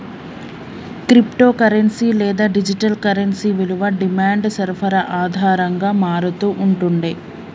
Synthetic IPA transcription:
kɾipʈo̞ːkɐɾɐnsilɛːd̪aːɖid͡ʒiʈɐlkɐɾɐnsiʋeluʋɐɖimaːɳɖsɐɾpʰɐɾɐʔaːd̪ʱaːɾɐŋɡaːmaːɾut̪uːʔuɳʈuɳɖe

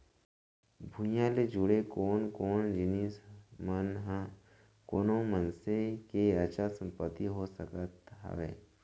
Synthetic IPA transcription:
bʱũjãled͡ʒʊɽekoːnkoːnd͡ʒɪnismnɦ | koːnomənsekeɐt͡ʃʰasə̃mpət̪ːiɦosəkət̪ɦə̰ʋḛː

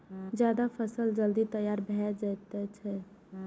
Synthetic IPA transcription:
d͡ʒjaːd̪afʰəsəld͡ʒəld̪it̪əjaːɾbʱɛd͡ʒɛt̪ɛt͡ʃʰɛ

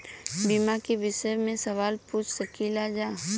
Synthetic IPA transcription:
bimakiʋɪʃəmẽsɐʋaːlpuːt͡ʃʰsəkilad͡ʒaː

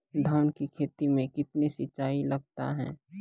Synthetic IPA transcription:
d̪ʱaːnkikʰeːt̪imẽkɪt̪nesɪt͡ʃaːilɐɡ̚t̪a̰ɦɛ̰̃ː

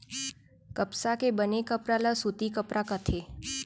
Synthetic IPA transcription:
kəpsakebənekəpɾalasut̪ikəpɾakət̪ʰe

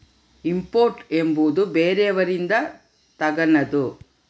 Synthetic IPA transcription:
impoːɾʈe̞mbud̪ubeːɾɛɐʋɐɾind̪ɐ | t̪ɐɡɐnɐd̪u

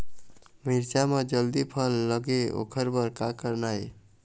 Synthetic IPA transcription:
miɾt͡ʃamed͡ʒəld̪ipʰəlːəɡeo̰kʰəɾbəɾkakəɾnaj

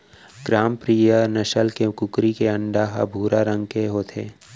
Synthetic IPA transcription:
ɡɾaːmpɾiːjənɐʃəlkekʊkɾikeə̃ɳɖaːɦa̰bʱuːɾaɾə̃ŋɡkeɦoːt̪ʰeː

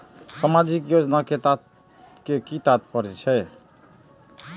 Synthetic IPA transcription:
səmad͡ʒikjod͡ʒnaket̪at̪ | kekit̪at̪̚pʌɾɛt͡ʃʰɛ

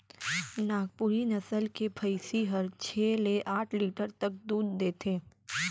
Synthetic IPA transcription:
naːɡ̚puɾinɐsəlkepʰəɪsiɦəɾt͡ʃʰeːleʔaːʈʰliːʈəɾt̪ɐk̚d̪uːd̪d̪eːt̪ʰeː

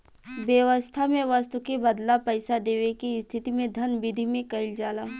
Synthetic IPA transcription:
ʋjəʋəst̪ʰamẽʋast̪ukebɐd̪lapɐɪsad̪eːʋekist̪ʰɪt̪imẽd̪ʱɐnbɪd̪ʱimẽkɐɪld͡ʒaːla

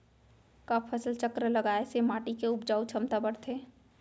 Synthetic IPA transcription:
kəpʰːəsəlt͡ʃəkɾələɡaːesemaːʈikeʊpd͡ʒaːut͡ʃʰəmt̪abəɽt̪ʰe

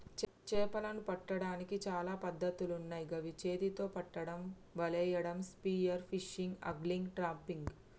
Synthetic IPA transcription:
t͡ʃ | t͡ʃɛːpɐlɐnupɐʈːɐɽaːnikit͡ʃaːlaːpɐd̪ːɐt̪ulunːaːjiɡɐʋit͡ʃeːd̪it̪o̞ːpɐʈːɐɽɐm | bɐlɛːjɐɽɐmspiːjɐɾpʰiʃiŋɡɐ̰ɡliŋɡʈɾaːmpiŋɡ

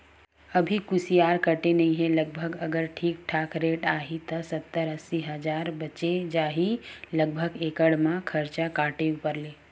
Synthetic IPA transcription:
əbʱikʊsijaːɾkəʈenɐĩɦẽləɡ̚bʱəɡəɡəɾʈʰiːk̚ʈʰaːkʰɾeːʈaːɦit̪əsət̪ːəɾəsiɦəd͡ʒaːɾbət͡ʃed͡ʒaːɦiləɡ̚bʱəɡekəɽmãkʰəɾt͡ʃakaːʈeupəɾleː

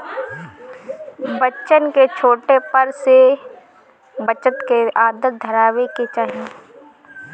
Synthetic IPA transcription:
bətːʃənket͡ʃʰoːʈepɐɾse | bət͡ʃət̪keaːd̪ət̪̚d̪ʱəɾaːʋeket͡ʃaːɦiẽ

